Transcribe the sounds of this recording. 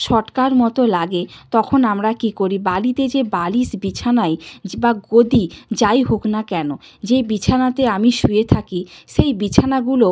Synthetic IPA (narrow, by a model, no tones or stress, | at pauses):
ʃɔʈkaɾmɔt̪olaɡet̪ɔkʰonamɾakikoɾibalit̪ed͡ʑebalisbit͡ɕʰanajbaɡod̪id͡ʑajɦoknakɛnod͡ʑebit͡ɕʰanat̪eamiʃuet̪ʰakiʃejbit͡ɕʰanaɡulo